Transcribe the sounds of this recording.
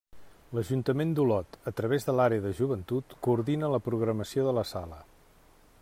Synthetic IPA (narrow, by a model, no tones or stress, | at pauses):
ləʒunt̪əmend̪ulɔt̪ət̪ɾəβ̞ezðəlaɾeəðəʒuβənt̪ut̪kuːɾðinələpɾuɣɾəməsioðələsalə